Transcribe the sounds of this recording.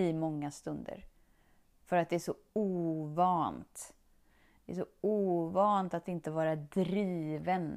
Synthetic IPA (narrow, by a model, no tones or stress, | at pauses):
ɪmɔŋːast̪ɵnd̪ə̰ɾ | fœɾat̪̚d̪ɛæʂɔuːvɑːnt̪ | d̪ɛʔæʂɔuːvɑːnt̪at̪ɪnt̪əvɑːɾad̪ɾiːvən